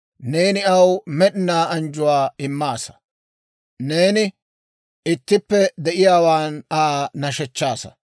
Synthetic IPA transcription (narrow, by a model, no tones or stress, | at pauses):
ne̞ːnɪɐwmɛɗɪnaːɐnd͡ʒʊwaːɪmːaːsɐ̥ | ne̞ːnɪ | ɪt̪ːɪpːɛd̪ɛʔɪjaːwaːnaːnɐʃɛt͡ʃːaːsɐ̰